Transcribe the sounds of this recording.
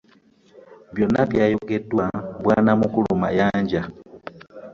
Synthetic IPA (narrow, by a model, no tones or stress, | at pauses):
bjonapjajuketwabwanamukulumajaːɲɟa